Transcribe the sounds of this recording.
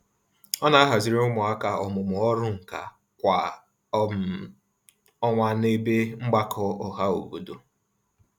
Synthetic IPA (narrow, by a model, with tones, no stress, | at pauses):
ɔ˦na˨˦a˦ɦa˨zi˨ɾe˦ʊ˦mʊ˨a˦ka˨ɔ˨mʊ˨mʊ˨ɔ˦ɾʊ˦ŋ̩˨ka˨ | kʷa˨ | ɔ˦ŋʷa˦ne˦be˦ŋ͡m̩˦ɡ͡ba˦kʰɔ˦ɔ˨ɦa˦o̰˨bu˨do˦